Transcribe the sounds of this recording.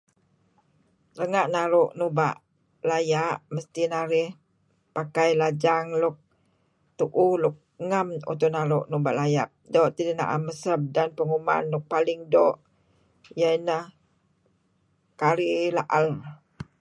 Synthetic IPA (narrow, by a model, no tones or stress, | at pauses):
ləŋaʔnaɾʊʔnuba̰ʔ | lajaʔməst̪inaɾɪh | pakajlad͡ʒaŋlʊk̚ | t̪uʔuhlʊk̚ŋamṵt̪unaɾʊʔnubaʔlajap̚dɔʔt̪idina̰ʔa̰məsəp̚danpəŋuma̰nlʊk̚palɪŋdɔʔ | jainəh | kaɾilaʔal